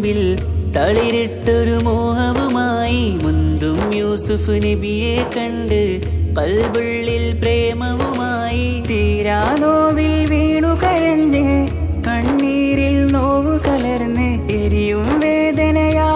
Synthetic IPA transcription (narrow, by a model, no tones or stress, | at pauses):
ʋil | t̪ɐɭiɾiʈːoɾumoːɦɐʋumaːjimund̪umjuːsufunebijekɐɳɖɨ | kɐlbɨɭːilpɾeːmɐʋumaːji | t̪iːɾaːnoːʋilʋiːɳukɐɾɐɲd͡ʒɨ | kɐɳːiːɾilnoːʋɨkɐlɐɾnːɨ | eɾijumʋeːd̪ɐnɐjaː